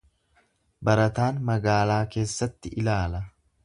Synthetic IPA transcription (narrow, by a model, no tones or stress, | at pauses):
bɐɾɐt̪aːnmɐɡaːlaːke̞ːsːɐt̪ːɪʔɪlaːlɐ